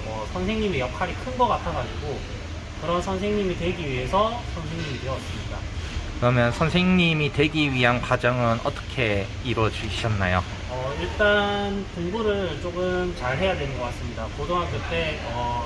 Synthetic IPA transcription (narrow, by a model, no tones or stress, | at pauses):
ʌsʰʌnsʰe̞ŋɲimejʌkʰaɾikʰɯnɡʌk͈atʰaɡad͡ʑiɡo | kɯɾʌnsʰʌnsʰe̞ŋɲimitwe̞ɡiɥiɦesʰʌsʰʌnsʰe̞ŋɲimitweʌts͈ɯmɲida̰ | kɯɾʌmjʌnsʰʌnsʰeŋɲimitwe̞ɡiɥiɦankad͡ʑʌŋɯnʌ̰t͈ʌ̥kʰe̞ | iɾwʌd͡ʑiɕʰʌnːajo | ʌiɭt͈anpoŋbuɾɯɭt͡ɕ͈okɯmt͡ɕaɭɦe̞jadwe̞nɯnɡʌk͈as͈ɯmɲidakodoŋɦakɯt͈e̞ʌ